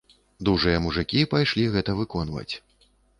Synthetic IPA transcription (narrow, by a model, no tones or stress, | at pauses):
d̪uʐɨjɐmuʐɨkʲipajʂlʲiɣɛt̪ɐvɨkɔnvɐ̰t͡sʲ